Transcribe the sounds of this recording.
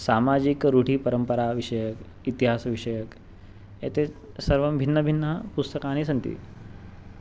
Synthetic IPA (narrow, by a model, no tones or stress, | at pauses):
samad͡ʑikɾuʈiːpəɾəmpəɾaʋiʂəjək | it̪iɦasʋiʂəjək | ḛt̪ʰe | səɾʋəmbʱinːəbʱinːəpust̪əkãːñisənt̪ḭː